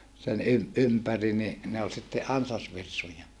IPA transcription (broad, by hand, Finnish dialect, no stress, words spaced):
sen ym ympæri ni ne ol sitːe ʔɑnsɑsʋirsujɑ